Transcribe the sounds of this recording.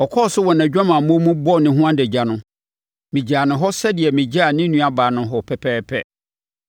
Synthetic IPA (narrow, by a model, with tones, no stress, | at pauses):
ɔ˨kʰɔ˦˨sʊ˦wɔ˨n˨æ̃˨d͡ʑᶣã˦mã˨mũ˦mũ˦bɔ˦˨nɪ̃˨ɦũ˦ã˦dɛ˨d͡ʑa˨nʊ̃˦ | mĩ˨d͡ʑaː˨nʊ̃˨ɦɔ˦sɛ˦dɪ˨ɛ˨mĩ˨d͡ʑa˦˨nɪ̃˦nũ˦a˨baː˨nʊ̃˦ɦɔ˨pʰɛ˨pʰɛː˦pʰɛ˦